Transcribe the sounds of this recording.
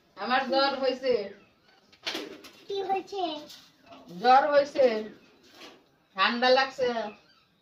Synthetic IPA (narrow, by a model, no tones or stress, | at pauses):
amaɾd͡ʑɔɾɦojse | kiɦojt͡ɕʰe | d͡ʑɔɾɦojse | ʈʰanɖ̪alaɡsʰe